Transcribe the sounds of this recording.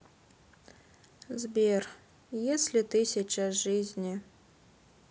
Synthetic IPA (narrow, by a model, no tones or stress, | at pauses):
zʲbʲer | jesʲlʲit̪ɨsʲit͡ʃaʐɨzʲnʲi